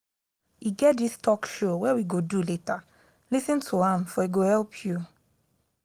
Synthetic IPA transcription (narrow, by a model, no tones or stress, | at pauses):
iɡɛt̚distʰɔkʃowɛwiɡoduleta | lisĩntʰuãmfɔiɡohɛlpʰju